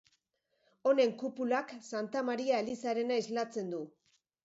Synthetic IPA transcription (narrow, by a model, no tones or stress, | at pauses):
o̞ne̞ŋkupulaksant̪amaɾiaelisaɾe̞naezlat͡se̞nd̪u